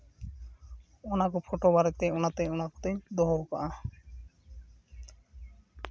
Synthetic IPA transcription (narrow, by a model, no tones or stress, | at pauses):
ɔnakɔpʰoʈobaɾet̪eɔnat̪eɔnakɔ̥t̪ejd̪ɔɦɔpa̰ʔa